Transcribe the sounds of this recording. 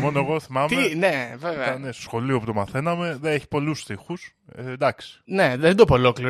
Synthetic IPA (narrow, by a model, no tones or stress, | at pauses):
mo̞noeɣo̞θimɐmeneveveɐɐɐnest̪o̥sxo̞lioput̪o̞mɐθe̞nɐme̞ðeneçi̥po̞lusθixus | end̪ɐksi̥ne̞ðend̪opolokliɾ